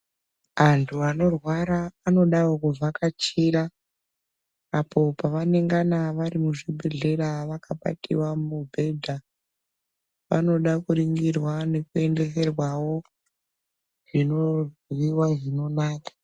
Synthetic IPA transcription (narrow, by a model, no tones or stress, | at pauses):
antʰuano̞rwaɾaːno̞ɗawokuvakat͡ʃiɾa | pʰo̞paʋane̞ŋɡanaʋaɾimuʐibʱeɮe̞ɾaʋakʰaɓa̰tḭwamubʱe̞dʱa | ʋa̰no̞ɗakuɾiŋɡirwane̞kue̞nde̞s̬e̞rwawo̞ | ʐ̥ino̞ʋiwaʐino̞naːkḁ